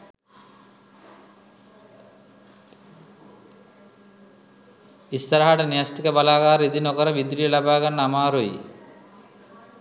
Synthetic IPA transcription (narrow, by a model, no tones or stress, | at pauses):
isːɐɾaɦaʈɐniasʈikɐbalaːɡaːɾid̪inɔkɔɾɐʋid̪ɾijlabaːɡanːamaːɾoj̰